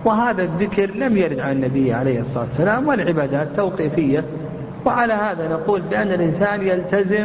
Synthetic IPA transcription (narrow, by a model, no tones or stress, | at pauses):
wɪɦaːðaðɪkɾlamjaɾɪd̪ʕananːabɪjːʕaleːhɨsˤːɑlˤɑːt̪sːalaːmwɪlʕɪbaːd̪aːt̪ːawqiːfɪjːa | wɪʕalahaːðanaquːlbɪʔanːalʔɪnsaːnjalt̪azɪ